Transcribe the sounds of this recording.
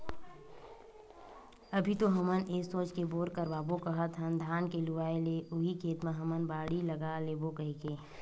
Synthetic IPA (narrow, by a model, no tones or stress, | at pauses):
ɐbʱit̪oɦɐməneːsoːt͡ʃkeboːɾkəɾbaːbokəɦət̪ɦənd̪ʱaːnkeluʋaːeleʔʊɦikʰeːt̪mãɦɐmənbaːɽilɐɡalebokəɦikeː